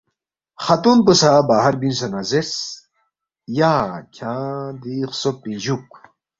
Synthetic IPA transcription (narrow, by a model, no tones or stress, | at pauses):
xat̪unpəsabaːɦɐɾbinsɐnazes | jakʲʰãːd̪ixsopːid͡ʑuk